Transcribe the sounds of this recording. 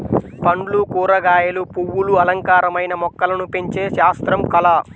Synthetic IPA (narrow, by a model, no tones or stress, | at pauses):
pɐɳɖlukuːɾɐɡaːjɐlupuwːuluɐlɐŋkaːɾɐmɐjnɐmɔkːɐlɐnupeɲt͡ʃe̞ːʃaːst̪ɾɐmkɐlɐ